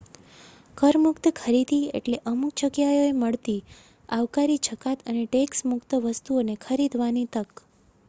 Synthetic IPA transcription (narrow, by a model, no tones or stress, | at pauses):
kəɾmʊkt̪əkʰəɾid̪iḛʈleʔəmuk̚t͡ʃəkjajoeməɭt̪i | aʋkaɾit͡ʃʰəkat̪əneʈeksmʊkt̪əʋəst̪uonekʰəɾid̪ʱʋanit̪ək